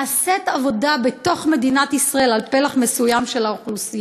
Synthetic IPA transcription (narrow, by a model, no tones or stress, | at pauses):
set̪avo̞dabet̪o̞χme̞d̪inat̪isʁae̞lalpelaχme̞sujamʃe̞laoχlusi